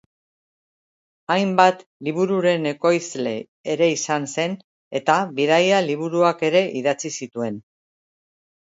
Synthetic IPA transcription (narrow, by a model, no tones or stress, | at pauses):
ajmbat̪liβ̞uɾuɾe̞ne̞ko̞jzle̞ | eɾe̞isanse̞n | e̞t̪aβiðajaliβ̞uɾuake̞ɾe̞ʔiðat͡sisit̪ue̞n